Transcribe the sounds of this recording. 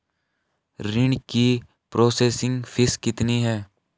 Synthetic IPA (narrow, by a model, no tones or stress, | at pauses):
ɾɪɳɖki | pɾoːseːsɪ̃ŋɡfʰɪskɪt̪niɦɛː